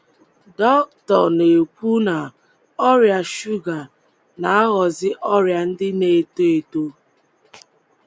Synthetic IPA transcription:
dɔ˦k̚tɔ˨ne˨kʷu˦na˨ | ɔ˦ɾja˨ʃu˦ɡa˨ | na˨a˦ɣɔ˨zɪ˦ʔɔ˦ɾja˨n̩˦dɪ˦ne˨e˨to˦e˨to˦

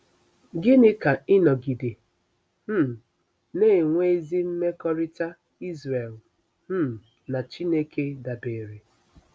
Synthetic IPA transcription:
ɡɪ˦nɪ˦ka˨ɪ˦nɔ˨ɡi˨de˨ | m̩˦ | ne˦˨ŋʷe˦e˦zi˦m̩˦me˦kɔ˦ɾɪ˦ta˦ | i˦zɾe˨l | m̩˦ | na˨t͡ʃi˦ne˦ke˦da˨be˨ɾe˨

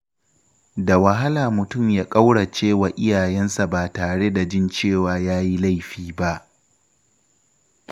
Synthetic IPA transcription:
da˨wɐ˨ɦa˦laː˨mʊ˨tʊ˦˨mjaː˦kʼa˦wɽa˨t͡ʃeː˦waː˨ʔɪ˦jaː˨jɛ˦nsa˨baː˨taː˨ɽe˦da˨d͡ʒɪ˦nt͡ʃeː˦˨waː˦jaː˦ji˦la˦˨jɸiː˦ba˦ʔ

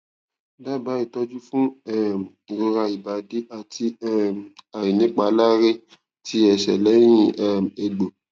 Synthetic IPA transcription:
ba˦˨ba˨˦i˦˨tɔ˦d͡ʒu˦fũ˦ɛ˦˨ɾo˧ɾa˧i˨ba˨˦de˦a˨tʰi˧˦a˨ji˨nĩ˦k͡pa˨˦la˦ɾe˦ | ti˧˦ɛ˨ʃɛ̰˨lɛ˨˦j̃ĩ˦ɛ˦e˧ɡ͡bo˨

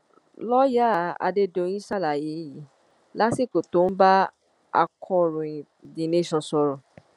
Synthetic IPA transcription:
lɔ˦ja˦˨a̰˧de˧dõ˧˦ĩ˦sa˦˨la˨je˨˦ji˨˦ | la˦si˦˨ko˨to˨˦n̩˦ba˦ | a̰˧kʰɔ̃˧ɔ˨ɾũ˨ĩ˨ | dĩ˨ne˦ʃɔ̃˨sɔ˧ɾɔ̃˨

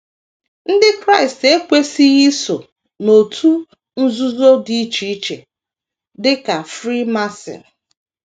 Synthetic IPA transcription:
n̩˦dɪ˦kɾa˦ɪ˨ste˦kʷe˦si˦ɣi˦so˨ | no˨tʰu˦ | n̩˦zu˦zo˦di˦i˦t͡ʃi˨i˦t͡ʃḛ˨ | dɪ˦ka˨fɾi˦ma˦sɪ̰˨

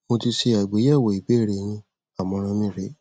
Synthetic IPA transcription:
mo˧ti˧se˧a˨ɡ͡be˨˦jɛ˦˨wo˨i˨be˨˦˨ɾe˨˦nĩ˧ | a˦˨mɔ̃˨˧ɾ̃ɔ̃˧mĩ˦˨ɾe˨˦

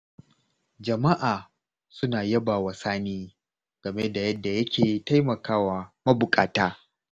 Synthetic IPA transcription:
d͡ʒɐ˨ma˦ʔaː˨ | sʊ˦naː˨jɐ˦baː˨wa˨saː˦niː˦ | ɡ̥ɐ˨me˦da˨jɐ˦dːa˨jɐ˦kʲʰeː˨ta˦jmɐ˨kʰaː˦waː˨mɐ˦bʊ˨kʼaː˨taː˦

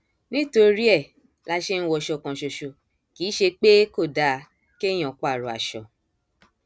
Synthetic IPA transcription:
nĩ˦to˧ɾi˦ɛ˦˨ | la˧ʃe˦ñ̩˦wɔ˧˨ʃɔ˧˨kã˨ʃo˨ʃo˨ | ki˨˦ʃe˧k͡pe˦ko˦˨da˨˦ | ke˦j̃ɔ̃˨˦kʷa˦˨ɾo˨a̰˨ʃɔ˨

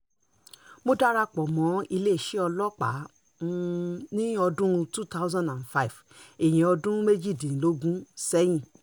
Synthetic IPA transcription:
mo˦da˦ɾa˧k͡pɔ˨mɔ̃˨˦i˧le˦˨ʃe˨˦ɔ˧lɔ˦k͡pa̰˨˦ | nĩ˦ɔ˧dũ˦˧tu˦ta˦ʊ˦zã˦nã˨nfa˦i˨f | e˨j̃ĩ˨ɔ˧dũ˦me˦d͡ʒi˦˨dĩ˨lo˨˦ɡũ˦sɛ˦j̃ĩ˦˨

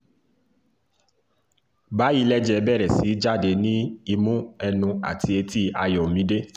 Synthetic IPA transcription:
ba˨˦i˦˧˦lɛ˦d͡ʒɛ˧bɛ˦˨ɾɛ˨si˨˦d͡ʒa˦˨de˧nĩ˦i˧mũ˦ɛ˧nũ˧a̰˨tʰi˧˦e˧ti˦a˧jɔ˨mĩ˧˦de˦

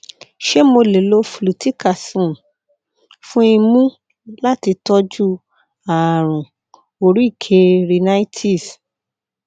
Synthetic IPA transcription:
ʃe˦mo˧le˨lo˧˦fu˨lu˨ti˦ka˨sũ˨ | fũ˦i˧mũ˦ | la˦ti˧tɔ˦d͡ʒu˦ | a˨ɾ̃ũ˨ | o˧ɾi˦i˦˨kʰe˧˦ɾi˧na˦i˦tʰi˦˨s

